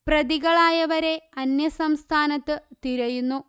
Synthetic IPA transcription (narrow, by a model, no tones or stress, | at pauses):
prɐðiɣɐɭaːjɐʋɐɾe̞ɐnjɐsɐmst̪ʰaːnɐt̪ːɨt̪iɾɐjunːu